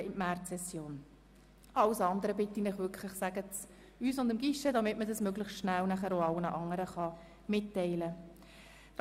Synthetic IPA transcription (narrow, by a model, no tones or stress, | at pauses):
ɪtmærsɛsjoːn | ʔɑwsɑnd̪əɾəbɪtːinɪχʋʏkʰləχsæɡət͡s | yːsʊndɪmɡɪʃədɑmɪtmədɑsmøɡləχʃtʃnælnæχəɾoɑwənəʔɑŋəɾəχɑ | mɪtːɛɪlə